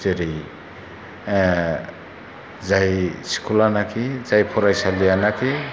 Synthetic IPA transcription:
teɾij | zajsi̥kʰulanakʰizajpʰɔɾajsalianakʰi

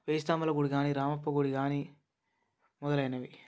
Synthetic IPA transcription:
ʋeːst̪amɐlɐɡuɽiɡaːniɾaːmɐpːɐɡuɽiɡaːni | mɔd̪ɐlɐjnɐʋi

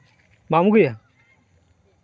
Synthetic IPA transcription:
mamuɡɯja

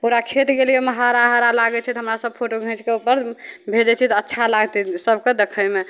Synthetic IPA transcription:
puɾakʰet̪ɡelijeməɦaɾaɦaɾalaɡɛt͡ʃʰɛt̪ɔɦəmɾasəb̚pʰoʈoɡʱĩt͡ʃkeupəɾbʱed͡ʒɛt͡ʃʰɛt̪ɔətːʃʰalaɡt̪isəbked̪ekʰəjme

